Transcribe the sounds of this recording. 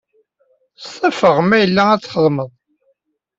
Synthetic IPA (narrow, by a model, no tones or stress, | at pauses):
stˤːɑfəʁmæjəlːææt͡sːχəðˤməðˤ